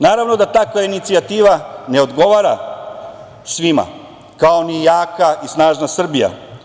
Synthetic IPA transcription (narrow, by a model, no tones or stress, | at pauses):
naːɾaʋno̞d̪at̪akʋainit̪siat̪iːʋane̞o̞d̪ɡo̞ʋaːɾa | sʋima̰ | kaoniejaːkaisnaːʒnasr̩bija̰